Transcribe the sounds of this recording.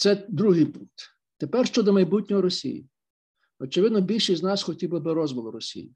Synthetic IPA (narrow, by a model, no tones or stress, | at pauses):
t̪sɛd̪ɾuɦɪjpuŋk̚t̪ | t̪epɛrʃt͡ʃɔd̪ɔmɐjbut̚ʲnʲɔɦɔɾɔsʲḭjḭ | ɔt͡ʃeʋɪd̪nɔbʲilʲʃiznɑsxɔtʲiblˠɪbɪɾɔzʋɔlˠʊɾɔsʲḭjḭ